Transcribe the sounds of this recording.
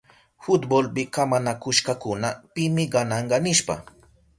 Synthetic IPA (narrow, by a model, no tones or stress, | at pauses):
fʊt̪bolpɪkamanakʊʃkakʊnapɪmɪɢɑnɑɴɢɑnɪʃpa̰